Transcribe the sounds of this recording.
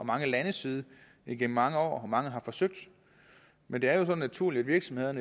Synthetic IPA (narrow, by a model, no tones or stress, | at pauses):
ɒ̽mɑ̈ŋəlænəsið̞ˠə | iɡ̥em̰m̩ɑ̈ŋəɒ̰ːɒmɑ̈ŋəɦɑ̈fɒ̽søɡ̥̚d̥ | mend̥e̝æɐjo̝sɒ̽nːæt͡sʰuɐ̰liæd̥ʋiɐɡ̥sɒ̽mhe̝ð̞ˠɐn